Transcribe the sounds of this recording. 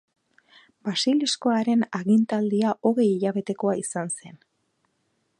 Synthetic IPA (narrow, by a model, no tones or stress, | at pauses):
basilisko̞aɾe̞naɣint̪ald̪iaʔo̞ɣe̞jiʎaβe̞t̪e̞ko̞aisanse̞n